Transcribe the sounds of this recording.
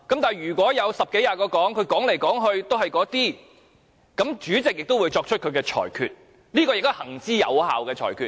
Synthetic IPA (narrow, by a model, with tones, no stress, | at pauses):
kɐ˨˥mt̪aː˨˩jɥyː˨˩kʷɔː˨˥jɐ˨˧wsɐ˨p̚ke˨˥jaː˧kɔː˧kɔː˨˥ŋkʰɵ˨˧ɥkɔː˨˥ŋle˨˩jkɔː˨˥ŋɦɵ˧ɥt̪o˥whɐ˨jkɔː˨˥t̪iː˥ | kɐ˨˥mt͡ʃyː˨˥t͡sɪ˨k̚jɪ˨k̚t̪o˥wuː˨˧jt͡ʃɔː˧kt͡ʃʰɵ˥t̚kʰɵ˨˧ɥkɛː˧t͡ʃʰɔ̰ː˨˩jkʰyː˧t̚ | liː˥kɔː˧jɪ˨k̚t̪ʊ˥hɐ˨˩ŋt͡siː˥jɐ̰˨˧wha̰ː˨wkɛː˧t͡ʃʰɔ̰ː˨˩jkʰyː˧